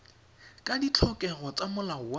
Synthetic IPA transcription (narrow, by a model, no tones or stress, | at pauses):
kʼadit͡ɬʰɔkʼɛɣɔt͡sʼamʊlaʊwa